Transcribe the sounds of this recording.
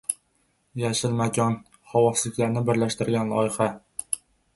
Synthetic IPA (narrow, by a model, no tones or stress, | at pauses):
jæʃɪlmæɡʲɒn | χɒwɒslɪkʲlæɾnɪbɪɾlæʃt̪ɪɾɡʲænlˠɒ̰jχa